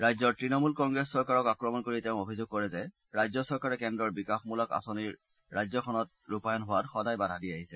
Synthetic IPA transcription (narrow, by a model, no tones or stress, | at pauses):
ɹajzɔɹtɹinɔmulkɔŋɡɹɛsːɔɹkaɹɔkakɹɔmɔnkoɹiteʊ̃obʱizoɡ̚kɔɹɛzɛ | ɹajzɔsɔɹkaɹɛkɛndɔɹbikaxmulɔka̰soniɹː | ajzɔkʰɔnɔt̚ | ɹupajɔnɦʊwatxɔdajbadʱɦadiaɦisɛ